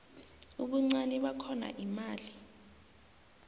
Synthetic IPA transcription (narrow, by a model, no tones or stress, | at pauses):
uɓuŋ͡ǀaniɓakʰɔna̰ʔimaːli